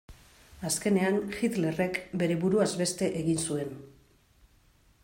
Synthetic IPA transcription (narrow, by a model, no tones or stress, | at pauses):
aske̞ne̞anxit̪le̞re̞kbe̞ɾe̞βuɾuazbe̞st̪e̞ʔeɣinsue̞n